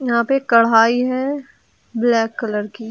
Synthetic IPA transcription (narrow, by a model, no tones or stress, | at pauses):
jɐɦãpekɐɽ̤ɦaːiɦɛ | blɛːkːɐləɾkiː